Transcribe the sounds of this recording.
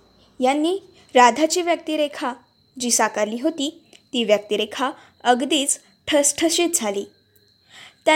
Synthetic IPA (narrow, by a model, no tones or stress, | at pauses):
janːiː | ɾad̪ʱat͡ɕiːʋjək̚t̪iɾekʰa | d͡ʑiːsakaɾliːɦot̪iːt̪iːʋjək̚t̪iɾekʰa | əɡd̪iːt͡s | ʈʰəsʈʰəɕet̪̚d͡zʱaliː | t̪ja